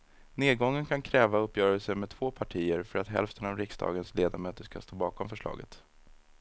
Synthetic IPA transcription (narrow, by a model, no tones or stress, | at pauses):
neːd̪̚ɡɔŋːənkʰankʰɾɛːvaɵpːjœːɾəlsəmɛd̪̚t̪ʰv̥oːpʰaʈʰiːəɾfœɾat̪ɦɛ̰lft̪ənavɾɪksd̪ɑ̰ːɡənsleːd̪amœːt̪əʂka̰st̪oːbɑːkɔmfœʂɭɑ̰ːɡə̰t̪